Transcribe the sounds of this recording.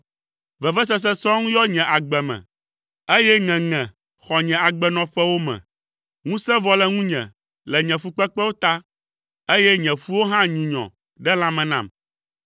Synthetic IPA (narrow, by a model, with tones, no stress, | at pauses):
vɛ˨vɛ˦s̬ɛ˦s̬ɛ˦sɔ̃˦ŋũ˦jɔ˦ɲɛ̃˨ʔa˨ɡ͡bɛ˨mɛ̰̃˨ | e˦jɛ˦ŋɛ̃˨ŋɛ̃˨ | xɔ˨ɲɛ̃˨a˨ɡ͡bɛ˨nɔ̃˨ɸɛ˦wo˦mɛ̰̃˨ | ŋũ˦sɛ̃˦vɔ˨lɛ˨ŋũ˦ɲɛ̰̃˨ | lɛ˨ɲɛ̃˨fu˦k͡pɛ˦k͡pɛ˦wo˦t̪a˦ | e˦jɛ˦ɲɛ̃˨ɸu˦wo˦ɦã˦ɲũ˨ɲɔ̰̃˨ | ɖɛ˦l̃ã˦mɛ̃˨nã̰˦˨m